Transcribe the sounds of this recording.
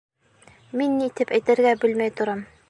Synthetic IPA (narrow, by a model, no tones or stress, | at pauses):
minːit̪ɘpæjt̪ɘ̆ɾɡæbɘ̆lmæjt̪ŏɾɑm